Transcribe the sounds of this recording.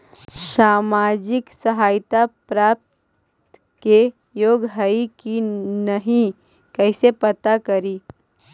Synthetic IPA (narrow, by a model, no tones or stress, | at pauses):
ʃaːmaːd͡ʒɪksəɦaːɪt̪apɾaːp̚t̪ | ke | joːɡɦəikinəɦĩ | kɛɪsepɐt̪akɐɾiː